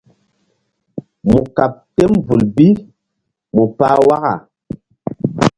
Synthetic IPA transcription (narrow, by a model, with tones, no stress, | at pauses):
mu˨ka˨p̚tɛ˦mvu˨lbi˦ | mu˨paː˦wa˦ɣa̰˨